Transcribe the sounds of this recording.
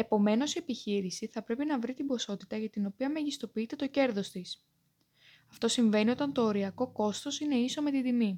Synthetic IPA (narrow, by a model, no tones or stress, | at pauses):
e̞po̞me̞no̞siepiçiɾisiθɐpɾe̞pinɐvɾit̪imbo̞so̞t̪it̪ɐʝɐt̪ino̞piɐmeʝist̪o̞piit̪e̞t̪o̞ce̞ɾðo̞st̪is | ɐft̪o̞siɱve̞nio̞t̪ɐnt̪o̞ːɾiɐko̞ko̞st̪o̞sine̞iso̞me̞t̪id̪imi